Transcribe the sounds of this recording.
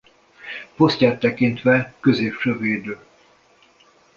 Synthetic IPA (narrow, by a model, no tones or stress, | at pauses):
po̞scʲaːt̪ːɛkint̪ʋɛkøzeːpʃøːveːd̪øː